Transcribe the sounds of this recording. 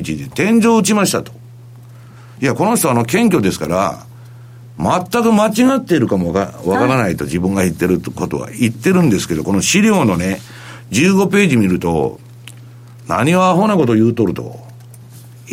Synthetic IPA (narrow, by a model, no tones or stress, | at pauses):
it͡ɕid̪et̪ẽ̞ɲ̟d͡ʑo̞ːɯ̟t͡ɕimaɕi̥t̪at̪o̥ | jako̞no̞ɕt̪o̞ano̞kẽ̞ŋk̬ʲo̞d̪e̞sɨ̥kaɾa̰ | mat̪ːakɯ̟mat͡ɕiɡat̪ːe̞iɾɯ̟kamoaβakaɾanait̪o̞d͡ʑibɯ̟̃ŋɡait̪ːe̞ɾɯ̟ko̞t̪o̞̰βa̰it̪ːe̞ɾɯ̟̃nd̪e̞sɨ̥ke̞d̪o̞ko̞no̞ɕiɾʲo̞ːno̞ne̞ | d͡ʑɨːɡo̞pe̞ːʑimʲiɾɯ̟t̪o̞̰ | na̰ɲ̟ioaɦo̞ːnako̞t̪ojɯ̟ːt̪o̞ɾɯ̟t̪o̞̰